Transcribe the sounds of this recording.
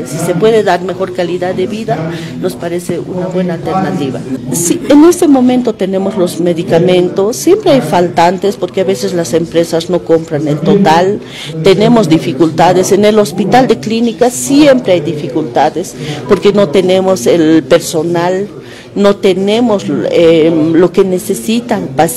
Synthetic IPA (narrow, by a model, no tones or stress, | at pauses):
sise̞pwe̞ðe̞ðaɾme̞xo̞ɾkaliðaðeβiða | no̞spaɾe̞seʔṵnaβwe̞naːlt̪eɾnat̪iβa̰siene̞st̪e̞mõ̞mẽnt̪o̞t̪e̞ne̞mo̞zlo̞zme̞ðikamẽ̞nt̪o̞sːje̞mpɾeajfalt̪ant̪espo̞ɾkeaβe̞se̞zlase̞mpɾe̞sasno̞ko̞mpɾanelt̪o̞t̪al | t̪ene̞mo̞zd̪ifikult̪aðesene̞lo̞spit̪ald̪eklinikasje̞mpɾeajd̪ifikult̪aðespo̞ɾkeno̞t̪e̞ne̞mo̞selpeɾso̞nal | no̞t̪enemoselo̞ke̞ne̞sesit̪apas